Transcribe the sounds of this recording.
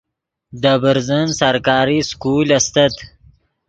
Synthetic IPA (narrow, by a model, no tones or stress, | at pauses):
d̪əbəɾzənsaɾkɑːɾiskulast̪at̪